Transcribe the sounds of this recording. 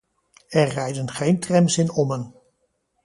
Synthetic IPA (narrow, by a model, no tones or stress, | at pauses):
ɛɹːɛjdənχejntrɛmsɪnɔmɦən